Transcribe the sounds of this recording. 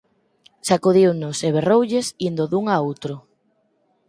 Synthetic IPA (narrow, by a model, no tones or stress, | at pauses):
sakuðiwnʊseβ̞erowʎesind̪oðuŋaowt̪ɾʊ